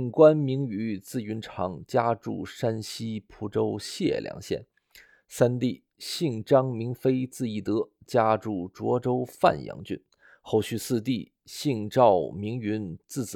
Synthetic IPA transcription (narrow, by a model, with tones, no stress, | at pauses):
ŋkwa˥nmi˧˥ŋy˧˥t͡sɹ̩˥˩y˧˥nʈ͡ʂʰɑ˧˥ŋt͡ɕja˥ʈ͡ʂṵ˥˩ʂa˥nɕi˥pʰu˧˥ʈ͡ʂo˥ʊɕjɛ̰˥˩ljɑ̰˧˥ŋɕjɛ̰˥˩n | sa˥nt̪i˥˩ | ɕi˥˩ŋʈ͡ʂɑ˥ŋmi˧˥ŋfe˥ɪt͡sɹ̩˥˧i˥˩t̪ɤ˧˥t͡ɕja˥ʈ͡ʂu˥˩ʈ͡ʂwɔ˧˥ʈ͡ʂo˥ʊfa̰˥˧˩njɑ̰˧˥ŋt͡ɕy̰˥˩n | xo˥˧ʊɕy˥˧sɹ̩˥˧t̪i˥˩ | ɕi˥˩ŋʈ͡ʂɑ˥˩ʊmi˧˥ŋy˧˥nt͡sɹ̩˥˩t͡s̩˧